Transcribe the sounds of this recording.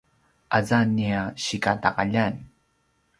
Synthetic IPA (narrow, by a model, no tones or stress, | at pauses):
ʔazaniaɕikataqaʎan